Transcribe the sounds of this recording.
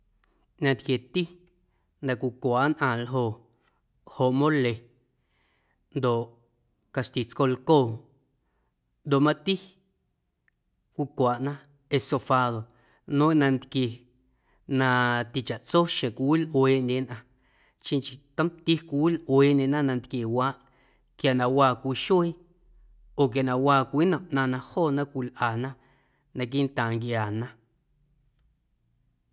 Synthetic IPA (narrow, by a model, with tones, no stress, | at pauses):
ɲã˧nt̪kje˨t̪i˦ | nd̪ã˨kʷi˨kʷaː˨˦nʔã˧lɦo˧˨ʔ | ho˨ʔmõ˦le˨ | nd̪o˨ʔ | ka˨ʃt̪i˨t͡sko˧lko˦˨ | nd̪o˨ʔmã˦t̪i˦ | kʷi˧kʷaː˨ʔnã˦ | e˧so˧faː˧ðo˨ | nõ˦nã˧nt̪kje˧ | nã˧t̪i˨t͡ʃa˨ʔt͡so˦ʃẽ˨kʷi˧wi˦lʔweː˧ʔnʲẽ˧nʔã˧ | t͡ʃĩ˧nt͡ʃi˨t̪ə̃˦mt̪i˦kʷi˧wi˦lʔweː˨˧ʔɲẽ˧nã˦nã˧nt̪kje˨waː˦ʔ | kja˨nã˧waː˧˨kʷi˧˨ʃo˦ | o˨k̬ja˨nã˧waː˧kʷiː˦nə̃˨ʔnã˧nã˧hoː˦˨nã˦kʷi˧˨lʔaː˨nã˦ | nã˧k̬i˦nt̪ãː˨ŋkjaː˨nã˦